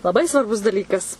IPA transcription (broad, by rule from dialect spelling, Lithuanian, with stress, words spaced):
lˠɐˈbɐɪ sʋɐrˈbʊs dɐˈlʲiːkɐs